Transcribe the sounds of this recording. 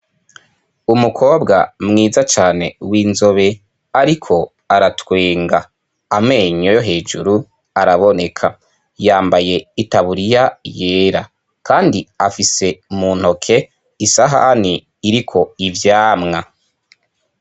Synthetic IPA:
umukʰo̞ːbɡamŋiːzat͡ʃaːne̞wiːnzo̞βe̞ | aɾikʰo̞ | aɾatweːŋɡaː | me̞ːɲojoɦe̞ːd͡ʒuɾu | aɾaβo̞ne̞kʰa | jaːmbaje̞itaβuɾijaje̞ːɾa | kʰaːndiafise̞muːn̥ho̞kʰe̞ | isaɦa̰niː | ɾikʰo̞ivjaːmŋa

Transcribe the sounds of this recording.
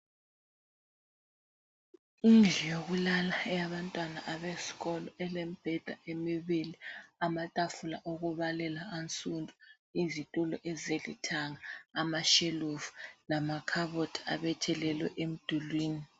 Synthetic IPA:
ind͡ɮʱijoɣulalaɛjaβantʼwanaʔaβesi̥ɣɔlɔɛlem̩b̥ʱɛd̥ʱaemiβiliamatʼafulaʔoɣuβalɛlaant͡sʼundʱʼu | izitʼulɔʔɛzelḭtʰaŋaːmaʃeluvulamakʰaβotʰa̰βɛtʰɛlɛlwɛ̰ʔem̩d̥ʱulwiːni

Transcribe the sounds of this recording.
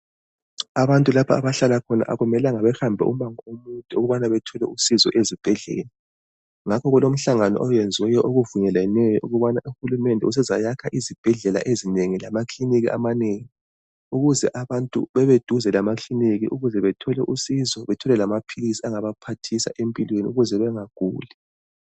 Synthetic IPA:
aβantʼulapʰaaβaɬalakʰɔna̰ʔa̰ɣumɛlaŋaβɛxambʱɛ̰ʔumaŋɔomuntʼuuɣuβanaβɛtʰɔlɛ̰usizɔ̰ʔezib̥ʱɛɮɛ̰ːla | ŋakʰɔɣulom̩ɬaŋanɔ̰ʔɔjɛnd͡zʱwɛjɔʔoɣuvuɲɛlɛnɛjɔʔuɣuβanaʔuxulumɛndʱɛ̰us̬ɛzajakʰaʔizib̥ʱɛɮɛla̰ʔezineŋilamakʰliniɣiʔa̰maneŋi | uɣuzɛ̰ʔaβantʼṵβɛβed̥ʱuzɛlamakʰliniɣḭʔuɣuzɛβɛtʰɔlɛ̰ʔusizɔβɛtʰɔlɛlamapʰilisiaŋaβapʰatʰisa̰ʔempʼilweniuɣuzɛβɛŋaɡ̥ʱuːlɛ

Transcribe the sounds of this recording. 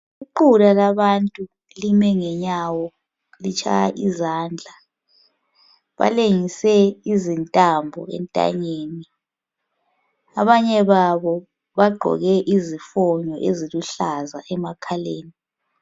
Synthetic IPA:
uǃulalaβantʼu | limɛŋɛɲawɔ | lit͡ʃʰʼa̰ja̰ʔizaːnd͡ɮʱa | βa̰leŋisɛizintʼambʱɔ̰ɛ̰ntʼa̰ɲeːni | aβaɲɛβaβɔ | βaɡ͡ǃʱɔ̰ɣɛʔizifɔɲɔʔeziluɬazaʔɛmakʰaleːni

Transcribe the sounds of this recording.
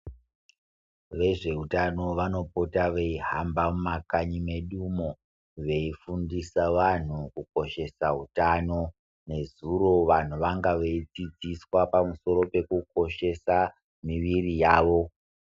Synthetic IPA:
ʋe̞ʐe̞ɦutano̞ʋano̞potaʋeiɦambamumakaɲimeɗumo | ʋe̞ifundisaʋan̤ukuko̞ʃe̞saɦutano̞ | ne̞zuro̞ʋan̤uʋaŋɡaʋeid͡zid͡ziswapamuso̞ɾo̞pe̞kuko̞ʃe̞sa | miʋirijaːʋo̞

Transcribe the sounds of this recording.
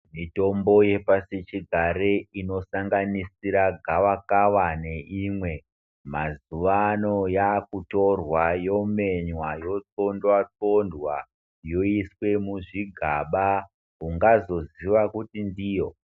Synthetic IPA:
mito̞mbo̞je̞pasit͡ʃiɡʱaɾeino̞saŋɡanisiɾaɡʱaʋakawane̞ʔimwe̞ | mazuʋano̞jakuto̞rwajo̞me̞ɲwajo̞t͡so̞ndwat͡so̞ndwa | jo̞iswe̞muʐiɡʱaɓa | kuŋɡazo̞ziʋakutindijo̞

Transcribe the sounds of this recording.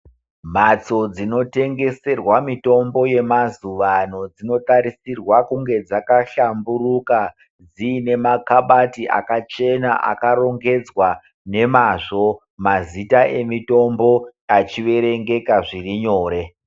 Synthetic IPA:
mat͡so̞d͡zino̞te̞ŋɡe̞se̞rwamito̞mbo̞je̞mazuʋano̞d͡zino̞taɾisirwakuŋɡe̞d͡zakaɬamburuka | d͡ziːne̞makaɓatiʔa̰kat͡ʃe̞naʔa̰kaɾo̞ŋɡe̞d͡zwa | ne̞maʐo̞ | mazitaʔe̞mito̞mbo̞at͡ʃiʋe̞ɾe̞ŋɡe̞kaʐiriɲo̞ːɾe̞

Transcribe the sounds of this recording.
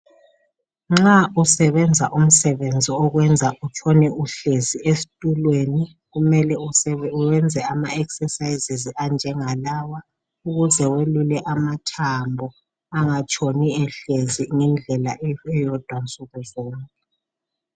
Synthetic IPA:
ŋ͡ǁausɛβɛnd͡zʱaʔum̩sɛβend͡zʱiɔɣwɛnd͡zʱaʔut͡ʃʰɔnɛuɬeziesi̥tʼulweni | ɣumɛlɛuwɛnd͡zʱɛamaɛksɛsajiziziand͡ʒʱɛŋalawa | uɣuzɛwelulɛʔamatʰambʱɔ | aŋat͡ʃʼʰoniɛɬeziŋɛnd͡ɮʱɛlaɛjɔd̥ʱwant͡sʼuɣuzɔːŋkʼɛ

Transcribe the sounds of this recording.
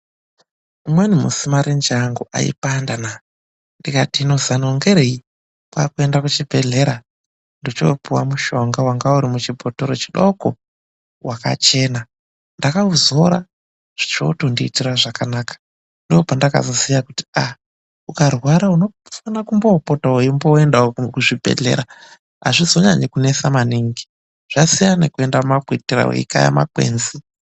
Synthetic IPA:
umwenimṵsimaɾind͡ʒaŋɡuʔa̰ḭpandana | ndikatino̞zanoŋɡeɾei | pakue̞ndakut͡ʃibʱe̞ɮe̞ɾa | ndit͡ʃo̰puwamuʃo̞ŋɡawaŋɡauɾimut͡ʃibʱotoɾot͡ʃiɗoko̰ | waka̰t͡ʃe̞ːna | ndakauzoɾa | ʐ̥it͡ʃo̞̰tondiːtiraʐakanaːkḁ | ndo̞pandaka̰zo̞sijakuti̥a | ukarwaɾauno̞ | fanakumbo̞potaoimboendaokuʐibʱe̞̰ɮe̞̰ɾa | a̰ʐizo̞ɲaɲekune̞samaniŋɡi | ʐ̥asijanekue̞ndammakwetira̰wḛḭka̰ja̰ma̰kwḛːnzi

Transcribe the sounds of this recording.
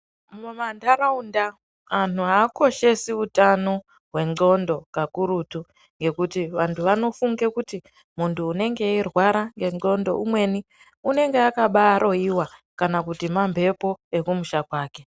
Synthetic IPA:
mumandaraunda | an̤uɦaːko̞ʃe̞siutano̞ | ɦwe̞ŋ͡ǃo̞ndo̞kakuɾutu | ŋɡe̞kutiʋantʰuʋano̞fuŋɡekuti | muntʰuːne̞ŋɡe̞irwaɾaŋɡe̞ŋ͡ǃo̞ndo̞̰umwe̞ni | une̞ŋɡe̞akaɓaːɾʔo̞iwakanakutimambʱe̞po̞e̞kumuʃakwaːke̞

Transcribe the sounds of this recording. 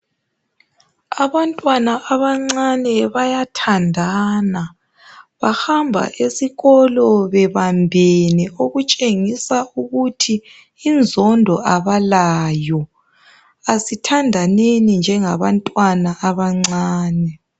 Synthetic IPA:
aβantʼwanaʔaβaŋ͡ǀanɛβajatʰandʱana | βahambʱa̰ʔesiɣɔlɔβɛβambʱenɛoɣut͡ʃʼeŋisauɣutʰiː | nd͡zʱɔndʱɔʔaβalaːjɔ | asitʰandʱanenind͡ʒʱɛŋaβantʼwanaʔːβaŋ͡ǀaːnɛ

